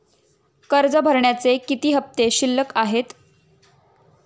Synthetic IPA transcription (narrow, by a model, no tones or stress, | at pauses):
kəɾd͡zəbʱəɾɳjat͡sekit̪iːɦəp̚t̪eɕilːəkaɦet̪